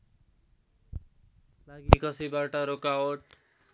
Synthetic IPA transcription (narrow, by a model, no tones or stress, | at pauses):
laɡikʌsibaʈʌɾokaoʈ